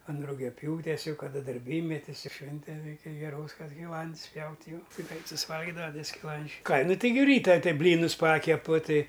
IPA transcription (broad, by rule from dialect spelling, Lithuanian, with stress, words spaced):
ɐn rʊɡʲɛˈpʲjuːtʲeːs ˈjɛʊ kɐˈdɐ dɐrʲˈbʲiːmʲɛtʲɪs ˈʃʲʋʲɪnʲtʲɛn ˈrʲɛɪkʲɛ ɡʲɛˈroːs kɐt sʲkʲɪˈlˠɐnts ˈpʲjɛʊtʲ jɛʊ ˈtɐɪ ˈɡrɐɪt sʊsʲɪˈʋɐlʲɡʲɪdɐʋɐ ˈtʲiɛ sʲkʲɪˈlˠɐnʲd͡ʒʲɛɪ ˈkɑː ˈnʊ ˈtɐɪ ɡʲɪ ˈrʲiːtɐ ˈtɨ ˈbʲlʲiːnʊs ˈpɑːkʲɛpʊ ˈtɨ